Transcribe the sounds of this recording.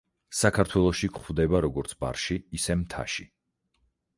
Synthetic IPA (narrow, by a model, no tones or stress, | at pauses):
sakʰaɾt̪ʰwɛlˠɔʃikχwvd̪ɛbaɾɔɡɔɾt̪sʰba̰ɾʃiːsɛmt̪ʰa̰ʃi